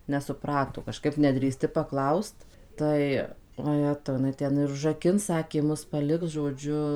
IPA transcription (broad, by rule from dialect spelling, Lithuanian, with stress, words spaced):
nʲɛsʊˈprɑːtoː kɐˈʃkɐɪp nʲɛdʲrʲiːˈsʲtʲɪ pɐˈklˠɐʊst ˈtɐɪ oːˈjæːtɐʊ jɪˈnɐɪ ˈtʲɛn ɪr ʊʒrɐˈkʲɪns ˈsɑːkʲeː ˈmʊs pɐˈlʲɪks ʒoːˈd͡ʒʲʊ